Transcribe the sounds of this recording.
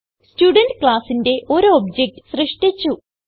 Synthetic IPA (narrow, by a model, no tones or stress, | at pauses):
stuːɖɐnɖkɭaːsinde̞ʔo̞ɾuobd͡ʑek̚ʈɨsrɨʂʈit͡ɕːu